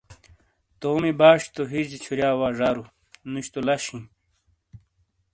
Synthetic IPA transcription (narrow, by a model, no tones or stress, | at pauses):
t̪oːmibaːʂt̪oɦid͡ʑit͡ɕʰuɾjaːwaːʐaːɾu | nuɕt̪olaɕĩ